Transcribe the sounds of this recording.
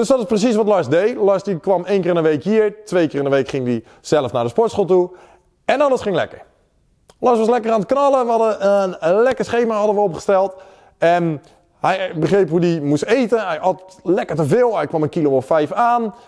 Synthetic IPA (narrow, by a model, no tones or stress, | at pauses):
d̥øsdɔtɪsprəs̬is̬ʋɔtlɔɹsdejlɔɹsdikʋɑmeːnkɪːrɪnəʋejkjiəɹtʋejkɪːrɪnəʋejkχɪŋdi | z̥ɛləfnadəspɔɹtsχoːlˠtu | ɛnɔləsχɪŋlɛ̰kəɹ | lɔsʋɔslɛkəraːntəknɑlˠəʋəɑdəənəlɛkəsχejməɦɑdəʋəopχə̥stɛlˠt | ɛn | hɛjbəχrejpɦudimustejtənɦɛjɔtlɛkəɹtəvɪːlˠɦɛjkʋɔmənkiloɔffɛjfaːn